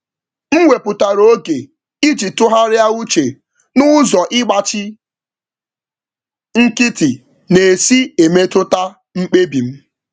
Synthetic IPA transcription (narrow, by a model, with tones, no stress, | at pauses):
m̩˦ŋʷe˨pʊ˨ta˨ɾo˦ɡe˨ | i˦d͡ʒi˨tʊ˦ɦa˦ɾɪ˦a˦u˦t͡ʃe˨ | nʊ˦zɔ˨ʔɪ˦ɡ͡ba˨t͡ʃɪ˦ | ŋ̩˦kɪ˦ti˨ | ne˨si˦e˨me˦tʊ˦ta˦ | ŋ͡m̩˦k͡pe˦bi˨m̩˦